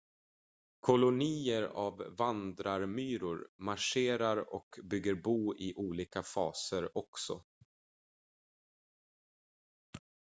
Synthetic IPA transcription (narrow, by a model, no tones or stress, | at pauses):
kʰɔlʊniːəɾavːand̪ɾaɾmyːɾʊɾmaʂeːɾaɾɔ̰kbʏɡːəɾbuːɪʔuːliːkafɑːsəɾɔksɔ̰